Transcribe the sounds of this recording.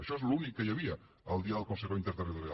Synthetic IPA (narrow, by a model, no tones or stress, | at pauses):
əʃɔezlunikːəjəβiə | əlˠd̪iaðəlˠkonseɾoint̪eɾt̪erit̪oɾja